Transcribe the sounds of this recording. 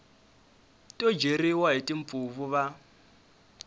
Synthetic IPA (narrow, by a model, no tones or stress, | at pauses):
tʼɔd͡ʒeɾiwaɦitʼiɱ̩p̪fuvuβa